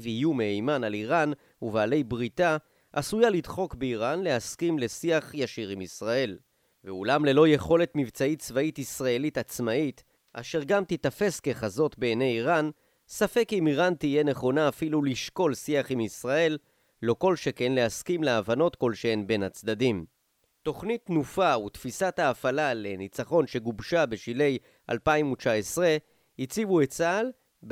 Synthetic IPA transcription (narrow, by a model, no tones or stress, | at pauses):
vijumeejmanaliʁan | uvaːle̞jbʁita | ʔasujalidχo̞kbeiʁanle̞haskimle̞siaχjaʃiʁimisʁae̞l | veulamle̞lo̞je̞χo̞le̞t̪mivt͡sait̚t͡svaitisʁae̞litat͡smait̪ | ʔa̰ʃe̞ʁɡamt̪it̪afe̞ske̞χazo̞t̪be̞ːne̞jiʁan | safe̞kimiʁantije̞ne̞χo̞naːfiluliʃko̞lsiaχimisʁae̞lː | o̞ko̞lʃe̞ke̞nleaskimleavano̞tko̞lʃeenbe̞nat͡sd̪ad̪im | to̞χnit̪nufaut̪fisathaːfalale̞nit͡saχo̞nʃe̞ɡubʃabeʃile̞j | ʔa̰lpaimut͡ʃaesʁe | it͡sivuet͡sal